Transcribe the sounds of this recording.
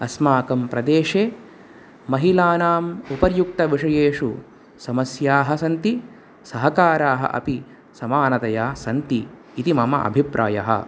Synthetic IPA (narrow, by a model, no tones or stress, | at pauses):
ɐsmaːkɐmpɾɐd̪eːʂeː | mɐɦilaːnaːmupɐɾjuk̚t̪ɐʋiʂɐjeːʂṵ | sɐmɐsjaːɦɐsɐnt̪i | sɐɦɐkaːɾaːɦɐ̰ʔɐ̰pi | sɐmaːnɐt̪ɐjaːsɐnt̪iː | t̪imɐmɐ̰ʔɐ̰bʱipɾʔaːjɐ̰ɦɐ̰